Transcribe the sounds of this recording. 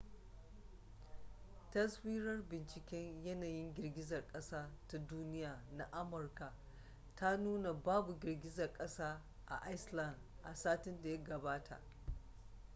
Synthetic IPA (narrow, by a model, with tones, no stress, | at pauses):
tɐ˦swiː˦ɾɐ˦rbɪ˨nt͡ʃɪ˨kʲɛ˦ɲjɐ˦naː˨jɪ˦ŋɡʲɪ˨rɡʲɪ˦zɐ˨rkʼɐ˦saː˦ta˦duː˦nɪ˦jaː˨na˦ʔa˦mɐ˨rka˨ | tʰa˦nuː˦na˨baː˦bu˨ɡʲɪ˨rɡʲɪ˦zɐ˨rkʼɐ˦saː˦ | ʔa̰˨ʔa˦jslɐ˦nd | ʔa̰˨saː˦tɪ˦nda˨jɐ˦ɡɐ˨baː˦tʰa̰˨ʔ